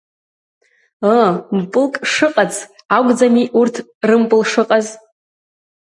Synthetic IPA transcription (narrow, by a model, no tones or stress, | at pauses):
əmpʼɨlkʼʂɨqʼat͡sʰ | aɡʷd͡zamiʔurtʰ | rɨmpʼɨlʂɨqʼaz